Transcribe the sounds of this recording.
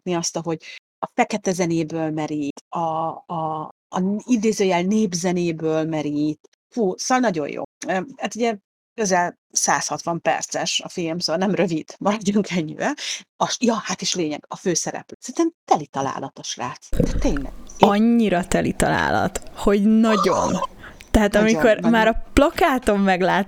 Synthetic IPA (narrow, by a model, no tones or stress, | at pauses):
t̪niɒst̪ɒɦo̞ɟ | ɒfɛkɛt̪ɛzɛneːbøːlmɛɾit̪ɒː | id̪eːzøːjɛlneːbzɛneːbøːlmɛɾit̪ | fuːsoɒlnɒɟo̞̰jo̰ːøhaːt̪uɟɛ | køzɛl | saːshɒt̪ʋɒmpɛ̰rt̪sɛʃɒfilmsoɒlnɛmrø̞vid̪̥mɒɾɒɟːuŋkʰɛɲːḭvɛɒʃjɒhat̪iːʃleːɲɛɡ̥ɒføːsɛɾɛ̰pløsɛnt̪ɛmt̪ɛlit̪ɒla̰ːlɒt̪oʃra̰ːt̪d̪ɛt̪ːeːnlɛ̰ɡɒɲːiɾɒt̪ɛlit̪ɒ̰la̰ːlɒ̰t̪ho̞ɟnɒɟo̞̰nt̪ɛɦaːt̪ɒmiko̞rmaːɾɒplɒkaːt̪o̞mːɛɡlaːt̪